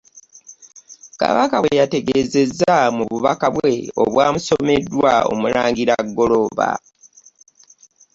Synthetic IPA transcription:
ka̰βakaβwejate̞ɡeːze̞zːamuβuβakaβwe̞o̞̰βwaːmuso̞me̞dːwao̰mulaːŋɡiɾaɡːo̞lo̞βa̰

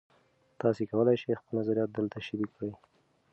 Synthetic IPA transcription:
t̪ɑsekawəlajʃejxpəlnazaɾijɑt̪̚d̪əlt̪aʃɪbikɽəj

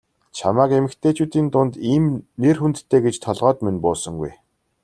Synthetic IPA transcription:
t͡ɕʰamaːkemɘ̆kt̪ʰeːt͡ɕuːt̪iːnt̪ʊnt̪iːmnerxunt̪ʰːeːɡet͡ɕt̪ʰɔɮʁœːt̪menpʊːsɞ̆ŋɡṵj

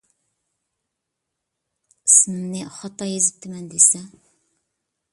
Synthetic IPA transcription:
sɨnɪmnɨχɑt̪ʰːɑjezɪp̚t̪ʰɪmɛnd̪esɛ

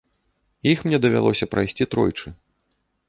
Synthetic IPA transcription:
jixmnʲɛd̪ɐvʲa̰lˠɔsʲɐpɾajsʲt͡sʲit̪ɾɔjt͡ʂɨ

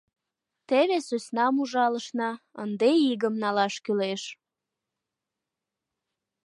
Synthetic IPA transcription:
t̪eβesøsnɑmuʒɑləʃnɑənd̪eiɣəmnɑlɑʃkyleʃ

